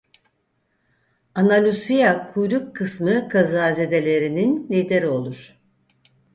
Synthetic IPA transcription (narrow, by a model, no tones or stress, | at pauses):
analʲusijakʰujɾukʰːɯsmɯkʰazaːze̞d̪e̞lʲe̞ɾininlʲiːd̪e̞ɾio̞lˠuɾ̥